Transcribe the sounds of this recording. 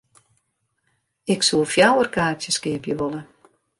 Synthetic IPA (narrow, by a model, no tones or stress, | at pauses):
ɪksulˠfjawərkaːtjəskɪəpjəʋɔlˠə